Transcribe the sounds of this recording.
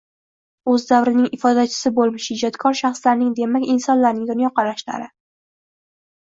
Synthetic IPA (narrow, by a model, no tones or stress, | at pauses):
ɵzd̪avɾɪnɪŋɪfɒd̪at͡ʃʰɪ̥sɪbolˠmɪʃhɪd͡ʒɒt̪kʰɒɾʃaχslaɾnɪŋd̪e̞makʲɪnsɒnlaɾnɪŋd̪ʊnjɒqɑɾaʃla̰ɾɪ